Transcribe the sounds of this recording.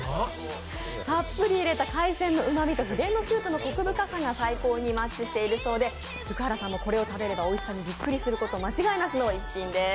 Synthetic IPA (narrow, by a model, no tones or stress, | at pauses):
papːɯ̟ɾʲiːɾe̞t̪akaisẽ̞nːo̞ɯ̟mamʲit̪o̞çid̪ẽ̞nːo̞sɨːpɯ̟no̞ko̞kɯ̟bɯ̟kasaŋɡasaiko̞ːɲ̟imatt͡ɕːiɕi̥t̪e̞iɾɯ̟so̞ːd̪e̞ | jɯ̟kɯ̟haɾasãmːo̞ko̞ɾe̞o̞t̪abe̞ɾe̞bao̞isãɲ̟ːibʲikːɯ̟ɾʲisɨɾɯ̟ko̞t̪o̞ːmat͡ɕiɡainasɨno̞ikʲːĩnd̪e̞